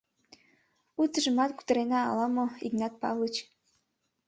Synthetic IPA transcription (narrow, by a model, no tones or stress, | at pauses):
ut͡sə̆ʒɤ̆mɑt̪ku̥t̪ɤ̆ɾenɑ̰ːlˠɑmoiɡnɑt̪̚pɑ̰lɤt͡ɕ